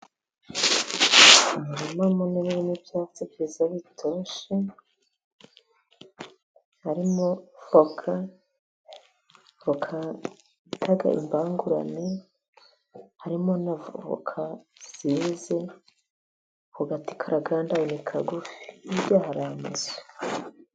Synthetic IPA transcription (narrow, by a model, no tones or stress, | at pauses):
ahaɾimamoneβiβinibjaːt͡sibizaβitʰoːʃe | haɾimo̞fokʰa | βokʰa | tʰaɡa̰ʔḭmbaːŋɡuɾa̰ne | haɾimonavoβo̰kʰa | z̥ize | kuɡati̥kʰaɾaɡaːndawonikʰaɡufi̥ibɟaːhaɾamaze̥